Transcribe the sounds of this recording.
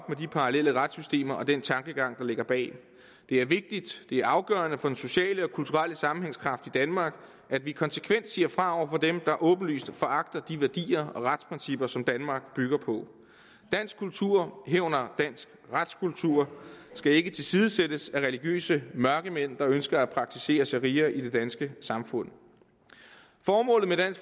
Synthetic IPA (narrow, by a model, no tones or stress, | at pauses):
ɒ̽b̥̚medipʰɑ̈ʁɑ̈lel̰əʁad̥sysd̥e̝̰ːmɐʔɒ̽d̥ent͡sʰɑ̈ŋɡ̥əɡ̥ɑ̈ŋ̰d̥ɑ̈le̝ɡ̥ɐb̥ɛ̰ː | d̥e̝æɐʋe̝ɡ̥̚d̥id̥d̥e̝æɐɑ̈ʊɡ̥œːɐnəfɒ̽den̩so̝ɕɛ̰ːləɒ̽kʰult͡sʰuʁaləsɑ̈mn̩he̝ŋskʰʁɑ̈fd̥id̥ænmɑ̈ːɡ̥ | ʔædʋikʰɒ̽nsə̥kʰʋen̰d̥siːɐfʁɑ̈ɒʊ̰ɐfɒ̽d̥emd̥ɑ̈ʔɔ̽ːb̥n̩ly̰ːsd̥fɒ̽ʔɑ̈ɡ̥d̥ɐd̥iʋæɐd̥ḭːɐɒ̽ʁad̥spʰʁɛnsib̥ɐsɒ̽md̥ænmɑ̈ːɡ̥b̥yɡ̥ɐpʰɒ̽ | d̥æn̰sɡ̥kʰːult͡sʰuɐ̰ɦeʊnɐd̥æn̰sɡ̥ʁad̥skʰult͡sʰuɐ̰sɡ̥æe̝ɡ̥ət͡sʰe̝lsiːðˠəsed̥əsæʁɛliɡ̥jø̰ːsəmɶɐɡ̥əmen̰d̥ɑ̈ønsɡ̥ɐæpʰʁɑ̈ɡ̥̚t͡sʰise̝̰ːɐsæʁiːɐʔid̥e̝d̥ænsɡ̥əsɑ̈mfɔ̽n̰ | fɒːmɔ̰̽ːlð̩med̥æn̰s